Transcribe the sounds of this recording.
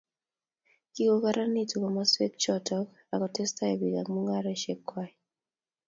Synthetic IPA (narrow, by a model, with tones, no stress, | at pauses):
ki˦kokaɾa˦ni˦tu˨kɔ˨ma˦swe˦k̚t͡ʃɔtɔk | a˨kɔtɛ˦sta˦ɛ˨bi˨ɡa˨kmu˦ŋɡa˦ɾɛʃɛ˦kːwai